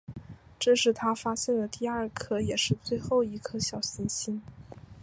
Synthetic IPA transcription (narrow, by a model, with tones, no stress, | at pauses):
ʈ͡ʂɤ˥˧ʂɻ̩˥˩t̪ʰa˥fa˥ɕjɛ˥˩nd̪ə˩t̪i˥˧ɐ˞˥˧kʰɤ˥jɛ˨˩ʂɻ̩˥˧t͡swe˥˧ɪxo˥˩ʊi˧˥kʰɤ˥ɕjɑ˨˩ʊɕi˥nɕi˥n